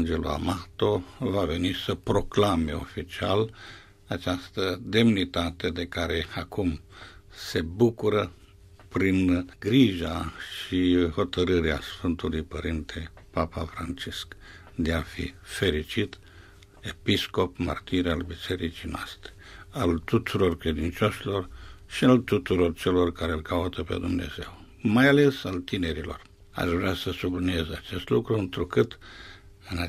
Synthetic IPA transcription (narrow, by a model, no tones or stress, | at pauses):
nd͡ʒeloa̰mat̪o̞vave̞nisəpɾo̞klame̞o̞̰fit͡ʃia̰l | at͡ʃast̪əd̪e̞mnit̪at̪e̞d̪e̞kaɾe̞akum | se̞bukuɾə | pɾinɡɾiʒaʃiho̞t̪əɾɨɾeasfɨnt̪ulujpəɾint̪ʰepapafɾa̰nt͡ʃisk | d̪eafḭfe̞ɾit͡ʃit̪ | e̞pisko̞pmə̰rt̪iɾalbise̞ɾit͡ʃijnoast̪ɾe̥alt̪ut̪uɾo̞rkɾe̞d̪int͡ʃoʃilo̞rʃialt̪ut̪uɾo̞rt͡ʃe̞lo̞rkaɾelkaut̪əpe̞̰d̪umne̞̰ze̞̰w | majale̞salt̪ine̞ɾilo̞̰r | a̰ʃvɾeasəsublinie̞zat͡ʃe̞st̪lukɾuɨnt̪ɾukɨt̪ | ɨna